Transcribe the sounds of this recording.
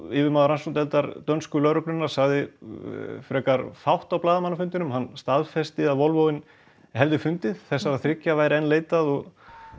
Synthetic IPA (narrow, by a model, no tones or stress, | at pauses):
ɪːvɪmaːðʏɾansunt̪ɛlt̪aɾt̪œnskʏlœɾʏk̪ʏnːaɾ̥saɣðɪ | fɾɛːkaɾfawht̪awplaːðamanːafʏnt̪ɪnʏmhanːst̪aðfɛst̪ɪaðvɔlvowɪn | hɛvðɪfʏnt̪ɪð̥θɛsːaɾaðθɾɪcːavaːjɾɪɛnːleːjt̪aðɔɣ